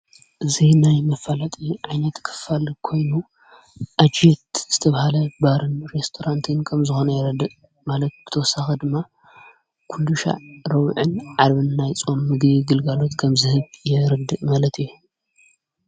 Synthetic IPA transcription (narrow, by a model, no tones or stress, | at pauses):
ʔɨzinajmɐfalat̪ʼiʕajnɐt̪kʰɨ̥fːalkʰo̞jnu | ʔad͡ʒet̪z̥ɨ̥t̪ʰɐβahalɐbaɾɨnɾest̪ʰoɾant̪ʰɨnkʰɐmzɨxonɐjɛɾɐd̪ːɨʔ | malɐt̪̚b̥ɨt̪ʰɐwɔsaxɐd̪ɨmːa | kʰuld̪uʃa̰ɾɐwʕɨnʕaɾβɨnːajt͡sʼo̞mːɨɡβiɡɨlɡalo̞t̪kʰɐmzɨhɨβjɛɾɐd̪ːɨʔmalɐt̪iju